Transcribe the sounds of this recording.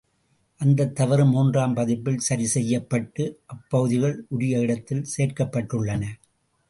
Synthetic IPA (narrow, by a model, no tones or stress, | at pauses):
ʔɐnd̪ɐt̪ːɐʋɐɾɯmuːndraːmpɐðɪpːɪlsɐɾɪsɛjːɐpːɐʈːɯʔɐpːɐɣɯðɪɣɐɭʔʊɽɪjɐɪɽɐt̪ːɪlseːrkɐpːɐʈːɯɭːɐnɐ